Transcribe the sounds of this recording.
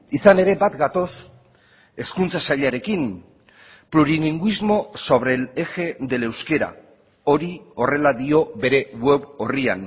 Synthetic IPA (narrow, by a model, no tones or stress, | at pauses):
isane̞ɾe̞bat̪ɡat̪o̞s | e̞skunt͡sasaʎaɾe̞kin | pɾuɾiniŋɡuizmo̞so̞βɾe̞le̞xe̞d̪e̞le̞wske̞ɾa̰ | o̞ɾio̞re̞laðio̞βe̞ɾe̞we̞βo̞ria̰n